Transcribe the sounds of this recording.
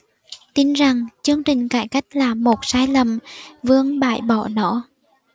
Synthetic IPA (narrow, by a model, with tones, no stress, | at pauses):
t̪i˧nza˨˩ŋt͡ɕɨ˧əŋt͡ɕï˨˩ŋ̟kaː˧˩jka˦˥jk̟̚laː˨˩mo˨˩t̚saː˧jlə˨˩mvɨ˧əŋɓaː˧˨jɓɔ˧˩nɔ̰˧˥